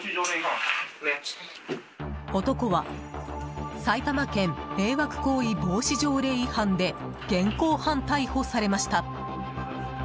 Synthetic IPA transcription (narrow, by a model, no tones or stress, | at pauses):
o̞t̪o̞ko̞βa | sait̪amakẽ̞mme̞ːβakɯ̟̥ko̞ːibo̞ːɕiʑo̞ːɾe̞ːihãnd̪e̞ | ɡ̥ẽ̞ŋko̞ːhãnt̪aiho̞saɾe̞maɕi̥t̪a